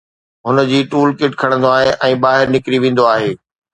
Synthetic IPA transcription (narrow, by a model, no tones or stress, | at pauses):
ɦʊnə̆d͡ʑiːʈuːlkɪʈkʰɐɽ̃ə̃nd̪oaːɦeʔɛ̃ːbaːɦɪɾnɪkɾiʋẽːn̆d̪oaːɦeː